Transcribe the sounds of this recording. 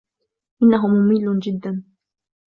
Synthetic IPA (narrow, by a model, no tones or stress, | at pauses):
ʔɪnːaɦʊmʊmɪlːʊnd͡ʒɪd̪ːan